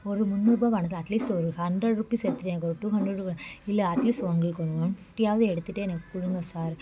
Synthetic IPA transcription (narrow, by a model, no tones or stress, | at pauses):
ɔɾɯmʊnːuɾbaːʋɐɳɐk̬ːɐʈliːsʈɔɾɯhɐɳdɾɐɽɾupːisɛɾɯt̪ːɯʈːɛnɐkːɔɾʈːuːhɐndɾɐɽuɐɪlːɐɐʈliːsʈʋɐŋɡɐɭɯkːɔɳɯʋanfʈijaːʋɐðɯɛɽɯt̪ːɯʈːɯɛnɐkːɯ̥kʊɻɯŋɡɐsaːɾ